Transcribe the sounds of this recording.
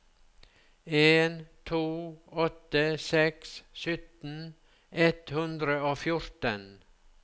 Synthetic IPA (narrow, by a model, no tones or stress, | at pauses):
eːnt̪ʰuːɔt̪əsɛkssʏt̪n̩ | ɛt̪hʉnd̪ɾəoːfjʊɾt̪ən